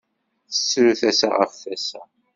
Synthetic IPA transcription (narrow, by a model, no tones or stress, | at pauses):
θə̥sːɾuθæsa̰ʁə̰fːæsæ